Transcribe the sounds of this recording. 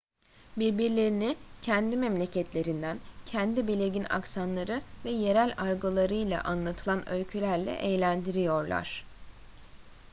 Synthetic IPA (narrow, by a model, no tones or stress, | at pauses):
biɾbiɾlʲe̞ɾinicʰɛnd̪imɛmlʲe̞cʰɛt̪ʰlʲe̞ɾind̪æncʰɛnd̪ibilʲe̞ɟina̰ksanlˠaɾɯvɛje̞ɾælʲaɾɡolˠaɾɯjlˠa̰ʔanlˠat̪ʰɯlˠanølʲcʰylʲæɾlʲɛ̰ʔejlʲænd̪iɾijo̞ɾlˠa̰ɾ̥